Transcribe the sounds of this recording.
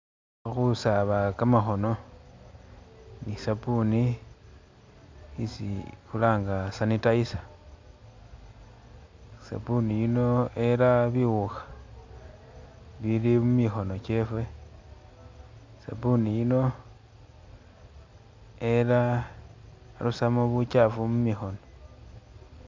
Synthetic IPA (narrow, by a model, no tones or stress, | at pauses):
xusaβakamaxo̞no̞ | nisapuni | isḭxulaːŋɡasanitaisḁ | sa̰puniino̞e̞laβiɣuxḁ | βilimumixo̞no̞t͡ʃe̞fwe̞ | sa̰punijino̞ | e̞la | lusamoβut͡ʃafumumixo̞no̞